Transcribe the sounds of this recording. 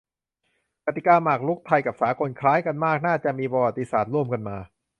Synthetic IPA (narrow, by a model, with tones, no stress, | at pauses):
ka˨˩t̪ːi˨˩kaː˧maː˨˩k̚lu˦˥k̚t̪ʰa˧jka˨˩p̚saː˩˦kʰo˧nkʰlaː˦˥jka˧nmaː˥˩k̚naː˥˩t͡ɕa˨˩ʔmiː˧pɾɔ˧waː˨˩t̪ːi˧saː˨˩t̪̚ɾu˥˩əmka˧nmaː˧